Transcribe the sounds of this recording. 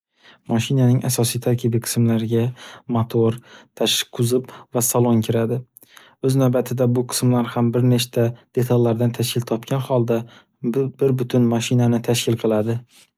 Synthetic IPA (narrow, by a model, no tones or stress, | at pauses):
mɒʃɪnanɪŋʔasɒsijt̪ʰaɾkʲʰɪbiqʰɨ̥smlaɾɪɡʲamat̪ʰoɾt̪ʰaʃqʰʊzɪpvasalˠoŋkʲʰɪɾad̪ɪ | ɵznawbat̪ʰɪd̪abʊqʰɨ̥smlaɾhambɪɾnet͡ʃt̪ʰad̪̥e̞t̪ʰalːaɾd̪ant̪ʰaʃkʰʲɪlt̪ʰɒpkʲʰanhɒlˠd̪a | bɪɾbʊt̪ʰʊnmɒʃɪnanɪt̪ʰaʃkʲʰɪlˠqʰɨlˠad̪ɪ